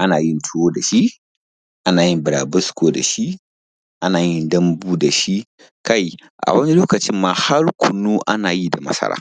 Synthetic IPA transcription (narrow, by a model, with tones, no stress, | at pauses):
ʔa˦naː˨ji˦ntʰu˦woː˦da˨ʃi˦ | ʔa˦naː˨ji˦mbɪ˨ɾaː˨bɐ˦skoː˦da̰˨ʃi˦ | ʔa˦naː˨ji˦ndɐ˦mbuː˦da˨ʃi˦ | ka˦j | ʔa̰˨wɐ˦ni˦loː˦kɐ˨t͡ʃɪ˦mːa˨ha˦ɾkʷʰʊ˨nːu˦ʔa˦naː˨ji˦da˨mɐ̰˦sɐ̰˦ɾa̰ː˦˨